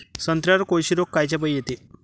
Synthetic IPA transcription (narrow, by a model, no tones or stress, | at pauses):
sənt̪ɾjaɾkojɕiɾokːajt͡ɕap̬əjjet̪e